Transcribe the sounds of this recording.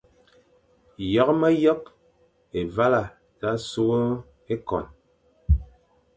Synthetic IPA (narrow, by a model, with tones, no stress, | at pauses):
jɔ˦kmə˦jɔ˦k̚ | e˨va˦la˨ | za˦su˦ɣo˦ | e˦kɔ̰˨n